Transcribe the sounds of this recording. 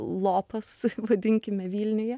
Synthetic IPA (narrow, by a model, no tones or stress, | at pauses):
lˠoːpɐsʋɐd̪ʲɪŋʲkʲɪmʲɛʋʲiːlʲnʲʊjɛ